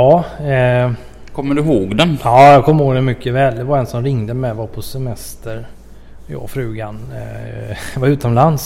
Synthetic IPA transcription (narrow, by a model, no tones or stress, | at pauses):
ɑː | kʰɔmːəɖɵɦoːɡd̪ɛnɑːjɑkʰɔmːəhoːɡd̪ɛnmʏkːəvɛːld̪ɛvaɾɛnsɔmɾɪŋd̪əmɛvapʰɔsɛmɛst̪əɾ | jɑ̰ːfɾʉ̟ːɡan | vaɾʉ̟ːt̪ɔmlans